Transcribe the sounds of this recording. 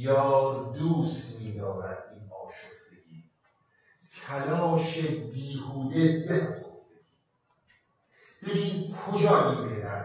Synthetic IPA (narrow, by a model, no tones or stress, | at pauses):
jɒːɾd̪uːst̪miːd̪ɒːɾæ̰d̪inbɒːʃofd̪eɡiː | t̪ʰælɒːʃebiːhuːd̪ebe̞pʰæzofd̪eiː | b̥eɡiːnkʰod͡ʒɒːiːbehɾæɾ